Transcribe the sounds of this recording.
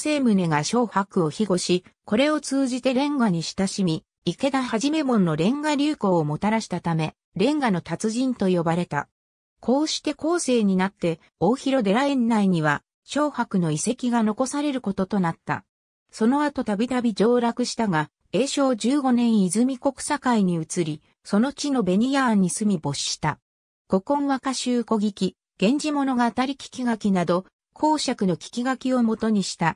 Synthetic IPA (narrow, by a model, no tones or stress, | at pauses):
se̞ːmɯ̟ne̞ɡaɕo̞ːhakɯ̟o̞çiɡo̞ɕiko̞ɾe̞o̞t͡sɨːʑit̪e̞ɾẽ̞ŋɡaɲ̟iɕi̥t̪aɕimʲi | ike̞d̪ahaʑime̞mõ̞nːo̞ɾẽ̞ŋɡaɾʲɨːko̞ːmo̞t̪aɾaɕi̥t̪at̪ame̞ | ɾẽ̞ŋɡano̞t̪at͡sɨʑĩnt̪o̞jo̞baɾe̞t̪a̰ | kʰo̞ːɕi̥t̪e̞ko̞ːse̞ːɲ̟inat̪ːe̞ | o̞ːçiɾo̞d̪e̞ɾaẽ̞nːaiɲ̟iβa | ɕo̞ːhakɯ̟no̞ise̞kʲiɡano̞ko̞saɾe̞ɾɯ̟ko̞t̪o̞t̪o̞nat̪ːa̰ | so̞no̞at̪o̞t̪abʲit̪abʲid͡ʑo̞ːɾakɯ̟ɕi̥t̪aɡa | e̞ːɕo̞ːd͡ʑɨːɡo̞nẽ̞ɰ̃izɨmʲiko̞kɯ̥sakaiɲ̟iɯ̟t͡sɨɾʲi | so̞no̞t͡ɕino̞be̞ɲ̟ijaɲ̟ːisɨmʲibo̞ɕi̥ɕi̥t̪a | ɡ̥o̞kõ̞ɰ̃βakaɕɨːko̞ɡʲikʲi | ɡ̥ẽ̞ɲ̟d͡ʑimo̞no̞ɡaːt̪aɾʲikʲi̥kʲiɡakʲinad̪o̞ | kʰo̞ːɕakɯ̟no̞kʲi̥kʲiɡakʲio̞mo̞t̪o̞ɲ̟iɕi̥t̪a